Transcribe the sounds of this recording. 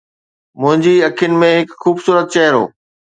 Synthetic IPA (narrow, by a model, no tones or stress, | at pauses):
mʊ̃ɦɪ̃ɲd͡ʑiɐkʰijʊnɪ̆mẽɦɪkxuːbsuːɾət̪̚t͡ɕɛɦɾo̰ː